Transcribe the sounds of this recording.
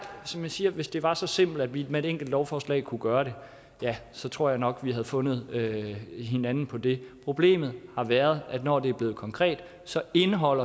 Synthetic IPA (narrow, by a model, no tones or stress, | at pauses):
sɒ̽mjænsiːɐʋe̝sd̥e̝ʋɑ̈sɒ̽se̝m̰b̥l̩æd̥ʋidmee̝d̥eŋ̰ɡ̥l̩d̥lɒʊfɒːslɛ̰ːkʰuɡ̥ɶːɐɾe̝ | jæsɒ̽t͡sʰʁo̝ɐ̰jɑ̈ɪnɒ̽ɡ̥ʋiɦæðˠfɔ̽nð̞̩ˠøɦe̝nænn̩pʰɒ̽d̥e̝pʰʁo̝b̥le̝̰ːmð̞̩ˠhɑ̈ʋæːɐð̞ˠʔæd̥nɒ̰ːd̥e̝æɐb̥le̝ːð̩ˠkʰɒ̽ŋkʰʁɛ̰ːd̥ | sɒ̽e̝nəɦɒ̽l̰ɐ